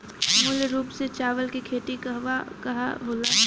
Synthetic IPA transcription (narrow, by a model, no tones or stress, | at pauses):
muːleɾuːpset͡ʃaːʋəlkikʰeːʈ̪ikɐʋakɐɦaɦoːla